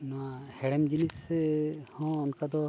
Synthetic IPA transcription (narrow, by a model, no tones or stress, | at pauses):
nɔwahɛɽɛmd͡ʒinisɛhɔ̃ːnkad̪ɔ